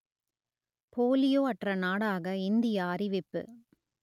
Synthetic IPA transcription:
poːlɪjoːɐʈrɐnaːɽaːɣɐɪnd̪ɪjaːɾɪʋɪpːɯ̰

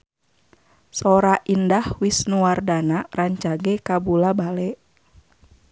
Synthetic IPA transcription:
sɔɾaʔindahwisnuwardanaraɲt͡ʃaɡɛkabulabalɛʔ

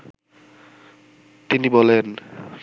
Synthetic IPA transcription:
t̪inibɔlen

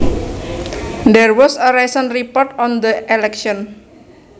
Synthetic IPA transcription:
d̪ɛrwɔsəɾajsənripɔrtɔnd̪əʔɛlɛkʃɔn

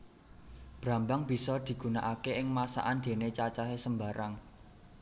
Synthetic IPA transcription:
b̥ɾa̤mbaŋb̥i̤sɔd̪̥i̤ɡ̥ṳnaʔakeɪŋmasa̰ʔand̪̥e̤net͡ʃat͡ʃaɦesəmbaɾaŋ

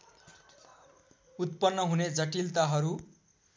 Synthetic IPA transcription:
ut̪pʌnːʌɦuned͡zʌʈilt̪aɦʌɾu

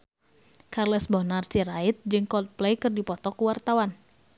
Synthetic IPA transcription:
karlɛsbɔnarsiɾait̪̚d͡ʒɨŋkɔt̪̚plejkɨrdipɔt̪ɔkuwart̪awan

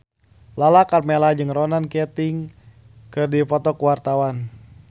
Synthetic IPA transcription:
lalakarmɛlad͡ʒɨŋrɔnankɛt̪iŋ | kɨrdipɔt̪ɔkuwart̪awan

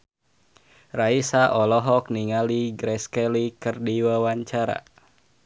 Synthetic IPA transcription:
raisaʔɔlɔɦɔk̚niŋaliɡɾɛskɛlikɨrdiwawaɲt͡ʃaɾa̰

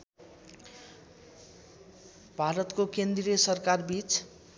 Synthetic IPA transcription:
bʱaɾʌt̪kokend̪riesʌrkarbit͡sʰ

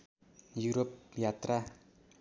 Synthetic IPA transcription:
juɾop̚jat̪ra

